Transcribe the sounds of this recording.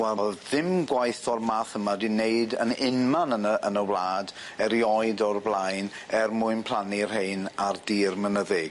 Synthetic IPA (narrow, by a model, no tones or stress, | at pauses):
wɛɔlˠðɪmɡwajθɔrmaːθəmadineɨdənɪnmanənəʔənəwlˠaːd | ɛɾjɔɨdɔrblˠajn | ɛrmʊɨnpʰl̥ˠanir̥hejnardiːrmənəðɪɡ̥